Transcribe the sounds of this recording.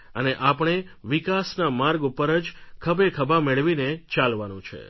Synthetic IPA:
əneʔapəɳ̃eʋikasnamaɾɡupːəɾəd͡ʒkʰəbekʰəbameɭʋinet͡ʃalʋanũt͡ʃʰḛ

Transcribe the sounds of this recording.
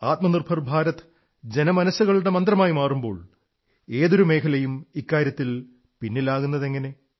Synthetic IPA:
aːt̪̚mɐnirbʰʱɐrbʱaːɾɐt̪ | d͡ʑe̞nɐmɐnɐsːuɣɐɭuɽe̞mɐnd̪rɐmaːjimaːrumbo̞̰ːɭ | e̞ːðoɾume̞ːkʰɐlɐjumikːaːɾjɐt̪ːil | pinːilaːɣunːɐðe̞ŋːɐne̞

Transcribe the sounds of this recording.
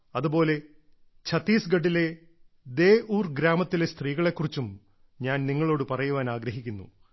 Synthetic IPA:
ɐðubo̞ːle̞ | t͡ɕʰɐt̪ːiːsɡɐɖːile̞ | d̪e̞ːuːrɡɾaːmɐt̪ːilest̪riːɣɐɭekːurit͡ɕːum | ɲaːnniŋːɐɭo̞ːɽɨpɐrɐjuʋaːnaːɡɾɐɦikʲːunːṵ

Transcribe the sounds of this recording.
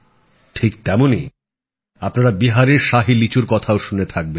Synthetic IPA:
ʈʰikt̪ɛmonḭ | apnaɾabiɦaɾeɾʃaɦilit͡ɕuɾkɔt̪ʰaoʃunet̪ʰak̚be

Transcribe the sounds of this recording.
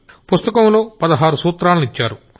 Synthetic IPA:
pust̪ɐkɐmlo̞ːpɐd̪ɐɦaːɾusuːt̪ɾaːlɐnuit͡ʃːaːɾu

